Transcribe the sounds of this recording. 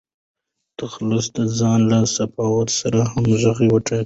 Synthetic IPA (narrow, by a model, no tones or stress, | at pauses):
t̪axlʊsd̪əzɑnlasafɑwat̪saɾahamʒaɣewaʈa